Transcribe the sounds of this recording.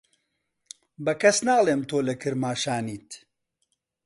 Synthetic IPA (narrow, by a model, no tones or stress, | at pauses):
bɐkɐsnaːlˠeːmt̪oːlɐkɨɾmaːʃaːniːt̪